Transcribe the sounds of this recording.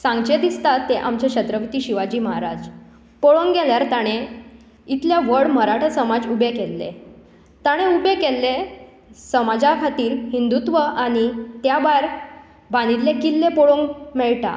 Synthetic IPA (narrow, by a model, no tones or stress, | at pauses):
sãŋɡt͡ɕet̪ist̪at̪ːeʔamt͡ɕaɕət̪ɾəʋit̪iːɕiʋad͡ʑiːməɦaɾad͡z | poɭoŋɡɡɛljaɾt̪aɽ̃e | it̪ljaʋəɽməɾaʈʰəsəmad͡zubekelːḛ | t̪aɽ̃eubekelːe | səmad͡zakʰat̪iːɾɦind̪ut̪ʋəʔaɽ̃it̪jabajɾ | bañiɾlekilːepoɭoŋɡmɛɭʈa̰